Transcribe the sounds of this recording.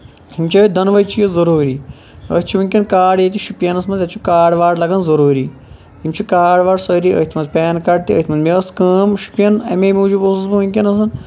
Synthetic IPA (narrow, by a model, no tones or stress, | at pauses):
himt͡ʃʰəːd̪ɐnʋɐjt͡ʃʰijizɐɾuːɾiː | ə̰ːt̪ʰʲt͡ʃʰiʋunʲkʲɐnkaːɖjet̪iʃupjɐnɐsmɐnd̪jɐt̪t͡ʃʰukaːɖʋaːɖlɐɡɐnzɐɾuːɾiː | himt͡ʃʰukaːɖʋaːɖsɐɾiə̰ːht̪ʰmɐnzpʲeːnkɐɖ̚t̪iə̰ːt̪ʰʲmɐnmʲeɐskɐːmʃu̥pʲjɐnɐ̰memʲuːd͡ʒuboːsɐsbuʋunʲkʲɐnɐsɐn